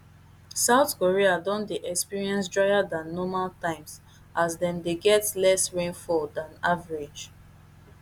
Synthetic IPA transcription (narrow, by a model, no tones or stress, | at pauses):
saʊtkoɹiadɔ̃ndeʔɛkspiɹiɛ̃ns̬dɹaɪjadãnːɔmaltãɪ̃ms | ʔazdɛ̃mdeɡɛtlɛsɹẽnfɔldãnavaɹid͡ʒ